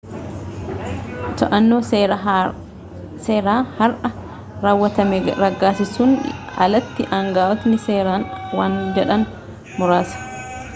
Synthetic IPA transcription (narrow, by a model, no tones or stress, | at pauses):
t̪ɐʔɐnːo̞ː | seːɾaːhɐɾʔɐ | ɾaːwːɐt̪ɐmeːɾɐɡːaːsɪsʊːn | ɐ̰lɐt̪ːɪʔɐŋɡaːʔɔt̪nɪseːɾaːnwaːnd͡ʒɛᶑɐn | mʊɾaːsɐ̥